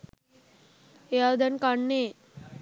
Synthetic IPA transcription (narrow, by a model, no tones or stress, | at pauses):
jad̪ənkaɳne